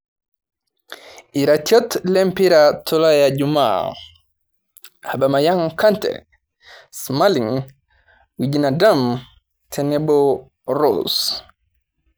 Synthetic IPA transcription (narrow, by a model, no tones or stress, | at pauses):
ʔiɾatiɔtlɛmpiɾatʰɔlajad͡ʒuma̰ | haɓamajaŋkantɛ̰ | smaliŋ | wid͡ʒinadam | tʰɛnɛbɔ | ɾɔ̰s